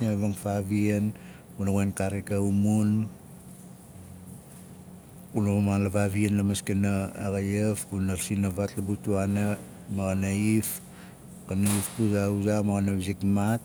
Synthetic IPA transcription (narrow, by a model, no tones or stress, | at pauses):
naβaŋfaβien | unaɡoenkaɾikaumun | unaamalaβaβienlamaskenaːɡajefkunaɾsinaβatlabutuana | maɡanaif | kanaifpuzauzamaɣanaβizikmat̚